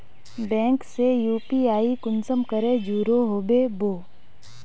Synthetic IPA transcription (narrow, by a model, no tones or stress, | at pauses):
bɛ̃ːŋksejuːpiaːikʊnsəmkəɾed͡ʒuːɾoɦoːbeboː